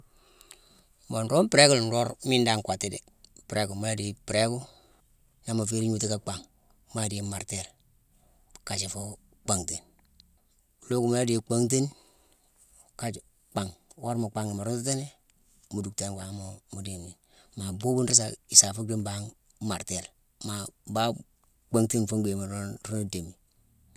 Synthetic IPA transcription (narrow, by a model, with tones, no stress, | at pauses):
mo˨n˨ɾo˦pi˦ɾe˦ku˦ln˨ɾo˦ɾmi˦nda˦˨ŋkʷa˨ti˦dḛ˨ | pɾe˦ɡu˨ma˦la˦di˨˦pi˨ɾe˦ku˦ | na˨ma˨fi˦ɾi˦ɲu˦ti˦ka˦k͡pa˨ŋ | ma˦˨di˦ma˨ɾte˦˨ɾ | ka˨t͡ʃi˨fo˦ | k͡pa˨ŋte˨n˨ | lo˦ku˨ma˦la˦deː˨k͡pa˦ŋt̬e˦n | ka˦ | k͡pa˨ŋwo˦ɾmo˨k͡pa˦ŋi˨ma˨ɾu˦n˦u˦te˦ne˦ | mu˨du˨kte˦ŋ˨wa˨˦mo˨mu˨de˨mi˨n | ma˨bo˦bu˦nɾi˦s̬a˨i˨sa˨fu˦ɾi˦mba˦ŋ | ma˨ɾte˨ɾ | ma˨ba˦ | k͡pa˦ŋte˦nfo˦ŋɡe˨ma˨˦ɾu˦no˦de˨mi˨